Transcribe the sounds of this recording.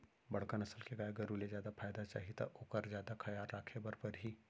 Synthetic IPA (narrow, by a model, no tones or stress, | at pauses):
bɐɽ̤kanɐsəlkeɡaːeɡɐɾulezjaːd̪afaːjd̪at͡ʃa̰ːɦit̪a̰ʔoːkəɾzjaːd̪akʰɐjaːɾːaːkʰebɐɾpɐɾɦi